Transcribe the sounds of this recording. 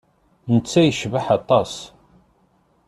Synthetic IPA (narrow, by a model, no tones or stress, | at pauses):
nət͡sːæjəʃvəħɑt̪ˤːɑs